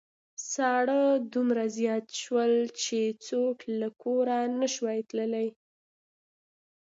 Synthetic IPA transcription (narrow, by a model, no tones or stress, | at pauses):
sɑɽəd̪umɾazjɑt̪ʃwəlt͡ʃet͡soʈlakʰoɾanəʃwɑjt̪ləlaj